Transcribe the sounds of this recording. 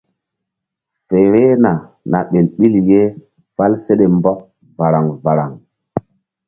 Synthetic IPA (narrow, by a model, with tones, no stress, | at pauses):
fe˨ɾe˦na˨ | na̰˨ɓe˨lɓi˦lje˦ | fa˦lse˦ɗe˨mbɔ˦k̚ | va˨ɾa˨ŋva˨ɾa˨ŋ